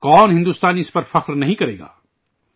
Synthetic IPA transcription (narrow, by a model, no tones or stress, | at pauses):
kɔːnɦɪ̃nd̪uːst̪aːnɪspɐɾfɐqɾnɐɦĩkɐɾḛːɡa̰ː